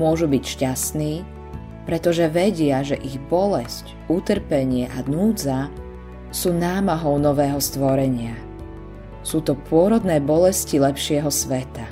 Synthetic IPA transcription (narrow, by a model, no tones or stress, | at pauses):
mʊɔʒubicʃcasniː | pɾɛt̪ɔʒɛʋɛɟɪaʒɛʔiɣbɔlɛsc | ut̪r̩pɛɲɪɛʔanuːd͡za | suːnaːmaɦɔʊnɔʋɛːɦɔst̪ʋɔɾɛɲɪa | suːt̪ɔpʊɔɾɔd̪nɛːbɔlɛscilɛpʃɪɛɦɔsʋɛt̪a